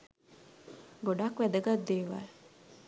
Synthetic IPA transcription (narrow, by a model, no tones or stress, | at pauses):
ɡoɖakʋæd̪əɡad̪ːeːʋa̰